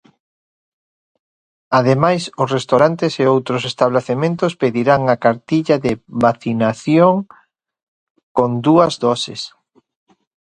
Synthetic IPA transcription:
aðemajsʊsrest̪oɾant̪eseowt̪ɾʊsest̪aβleθemẽnt̪ʊspeðiɾaŋakaɾt̪iʎaðɪβaθinaθjoŋ | kond̪uɐzðɔsɪ̰s

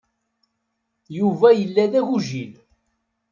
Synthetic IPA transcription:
juvæjəlːæðæʝuʒil

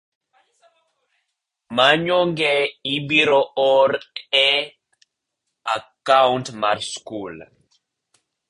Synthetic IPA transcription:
maɲɔŋɡɛibiɾɔɔɾɛ | akawntmaɾskul

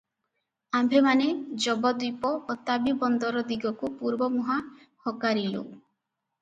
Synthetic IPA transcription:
ambʱemaned͡ʒɔbɔd̪ipɔʔot̪abibɔnd̪ɔɾɔd̪iɡɔkupuɾbɔmɔɦa | hɔkaɾilo̰

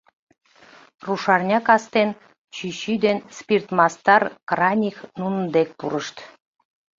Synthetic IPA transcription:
ruʃɑrnʲɑkɑst̪en | t͡ɕyɕyd̪enspʲirt̪mɑst̪ɑrkrɑnʲiknunə̆nd̪ek̚puɾəʃt̪

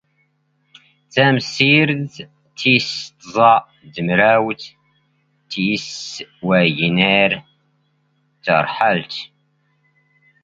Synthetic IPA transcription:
t͡sːæmsiɾd | t̪ːist̪zˤɑʔ | d̪əmɾæwt̪ | t̪ːswæʝnəɾ | t̪ːə̰ɾˤħəlt̪

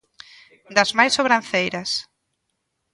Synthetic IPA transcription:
d̪ɐzmajsːoβɾãnθejɾɐs

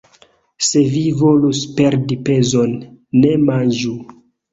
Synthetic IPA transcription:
se̞vivo̞luspe̞ɾdipe̞zo̞nːe̞mand͡ʒu

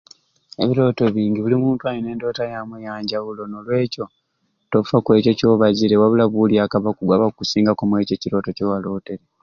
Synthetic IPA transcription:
ḛβiɾo̞ːto̞βiːɲɡiβulimuːntuajine̞ːndo̞ːtajamwejaːɲɟawulo̞nolwe̞ːco̞ | tofakwe̞ːco̞co̞ːβaɟiɾewaβulaβuljaːkaβakuɡwaβakusiːŋɡakomwe̞ːcociɾo̞ːto̞cowalo̞ːte̞ɾe

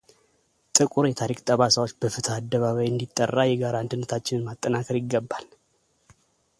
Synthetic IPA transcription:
t̪ʼɨkʼuɾjɛt̪ʰaɾikʼt̪ʼəβasawot͡ʃːbəfɨt̪ʰaːd̪ːəβaβəjɨnd̪it̪ʼːərːajɛɡaɾaːnd̪ɨnːət̪ʰat͡ʃːɪnnmat̪ʼːənakʰəɾjɪɡːəbːal

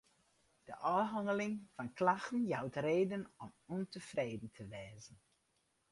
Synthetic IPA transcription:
d̥əʔɔːɦaŋəlɪŋfɑnklaxtən̩jawtreːdənɔmɔntəfrejdn̩tʰəʋɛːzən

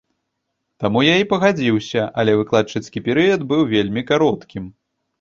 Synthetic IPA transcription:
t̪amujaipɐɣad͡zʲiwsʲɐʔɐlʲɛvɨklˠat͡ʂɐt͡ssʲkʲipʲɛɾɨjɐd̪bɨwvʲelʲmʲikaɾɔt̪kʲim

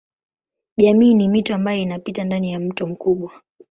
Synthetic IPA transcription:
ʄamiːnimituambajɔinapitandanijam̩tɔm̩kuɓwa

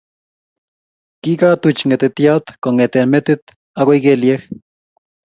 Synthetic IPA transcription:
kikat̪ut͡ʃŋet̪et̪iat̪koŋet̪enmet̪it̪ | aɣaiɡeljeh

